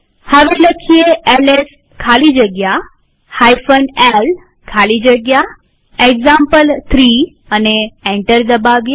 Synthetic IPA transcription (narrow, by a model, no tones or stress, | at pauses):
həʋeləkʰijeeles | kʰalid͡ʒəɡja | hajfənel | kʰalid͡ʒəɡja | eɡzãmpəlt̪ʰɾi | əneẽɳʈəɾd̪əbaʋje